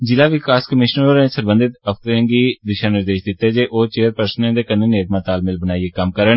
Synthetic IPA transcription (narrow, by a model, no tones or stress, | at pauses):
d͡ʒɪlaːʋɪkaːskəmɪʃnəɾoɾẽsəɾbə̃nd̪ɪt̪əft̪əɾə̃ɡid̪ɪʃaːnɪɾd̪eːʃd̪ɪt̪ːed͡ʒeːʔoːt͡ʃeːəɾpəɾsnẽd̪eːkənːeneːt̪mãt̪aːlmɪlbənaːieːkəmkəɾəɳ